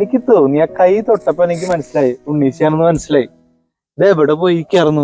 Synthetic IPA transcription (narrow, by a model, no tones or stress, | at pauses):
enikʲːɨt̪oːunːiaːkɐjt̪o̞ʈːɐpːoenikʲːɨmɐnɐsilaːjiuɳːiːt͡ɕijaːɾunːumɐnɐsilaːji | d̪eːbɐɽepojikʲːaːrunːu